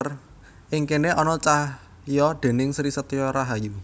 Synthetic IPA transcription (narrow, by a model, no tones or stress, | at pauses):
r | ʔɪŋkeneʔɔnɔt͡ʃah | jɔɖ̪̥e̤nɪŋsɾisət̪jɔɾaɦaju